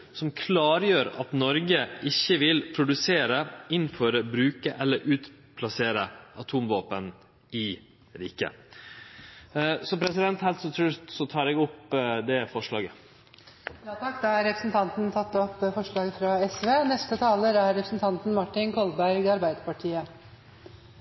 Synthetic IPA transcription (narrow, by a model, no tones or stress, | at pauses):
sɔmkʰlɑːɾjøːɾɑt̪nɔɾɡəʔɪçəʋɪlpʰɾʊd̪ʉseːɾəɪnfɔɾbɾʉːkəʔɛlːəɾʔʉːt̪pʰlɑseːɾəʔɑt̪ʰuːmʋɑːpən | ɪ | ɾḭːkə̰ | sɔpʰɾɛsɪd̪ɛnt̪hɛlt̪sɔt̪ʰɾʉɾt̪sɔt̪ʰɑːɾɛːɡɔpd̪ɛfɔʂɭɑ̰ːɡə | jɑːt̪ʰɑkːd̪ɑæɾɛpɾəsn̩t̪ʰɑnt̪nt̪ʰɑt̪ːɔpːfɔʂɭɑːɡəfɾɑɛsʋeːnɛst̪ət̪ʰɑːləɾæɾɾɛpʰɾəsn̩t̪ʰɑnt̪n̩mɑʈːɪnkʰɔlbæɾɡɑɾbæɪd̪əpɑʈʰiːə